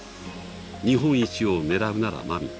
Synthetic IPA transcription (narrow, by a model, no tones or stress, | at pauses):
ɲ̟iɦõ̞ɰ̃it͡ɕione̞ɾabɯ̟naɾa̰mamʲḭ